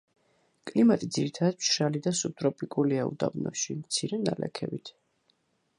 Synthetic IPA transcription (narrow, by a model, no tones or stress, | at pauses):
kʼlimat̪ʼid̪ziɾit̪ʰad̪ad̪̚mt͡ʃʰɾalid̪asup̚t̪ʼɾɔpʼikʼuliaṵd̪a̰bnɔ̰ʃimt̪sʰiɾɛna̰lɛ̰kʰɛbit̪ʰ